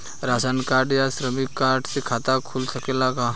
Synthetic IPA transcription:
ɾasankaːɾɖjasɾəmikːaːɾʈʰsekʰaːt̪akʰulsəkelakaː

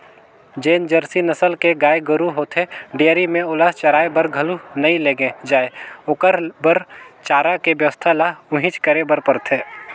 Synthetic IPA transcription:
d͡ʒeːnd͡ʒəɾsinəsəlkeɡaːeɡəɾuɦoːt̪ʰeɖejəɾimẽʊlaːt͡ʃɐɾaːebəɾɡʱəlunɐĩleːɡẽd͡ʒaːeʊkəɾbəɾt͡ʃaːɾakebjəʋəst̪ʰalaʊɦĩt͡ʃkəɾebəɾpəɾt̪ʰeː

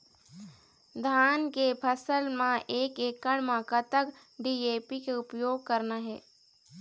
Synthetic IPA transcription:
d̪ʱaːnkepʰəsəlmãʔeːkeːkːəɽmãkət̪ək | ɖiːeːpikeʊpjoːɡ̚kəɾnaɦɛː

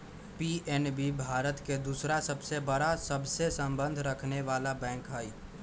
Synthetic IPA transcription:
piʔɛːnbibʱaːɾət̪ked̪uːsɾasəbsebəɾasɐbsesə̃mbə̃nd̪ʱɾəkʰneʋaːlabɛ̃ːŋkɦɛi

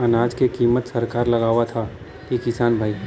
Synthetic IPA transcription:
ɐnaːd͡ʒkekiːmət̪sɐɾkaːɾlɐɡaːʋat̪ʰa | kikɪsaːnbʱaːi

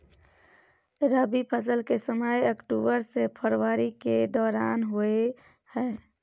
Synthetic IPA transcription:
ɾaːbipʰəsəlkesəməjəkʈuːbəɾsepʰəɾwaːɾiked̪ɔːɾaːnɦoe | hɛː

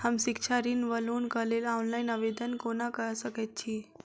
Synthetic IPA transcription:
həmsikʃʰaɾinʋəlunkəlelawnlainəʋed̪ənkonakəɾsəket̪̚t͡ʃʰi

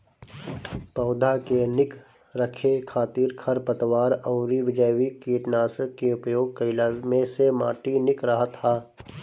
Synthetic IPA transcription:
pəʊd̪ʱakenɪk | ɾəkʰekʰaːt̪iːɾkʰɐɾpət̪ʋaːɾəːɾiʋɪd͡ʒəjʋikiːʈnaːsəkeʊpjoːɡ̚kəɪlaːmẽsema̰ːʈinɪkɾəɦət̪ɦaː

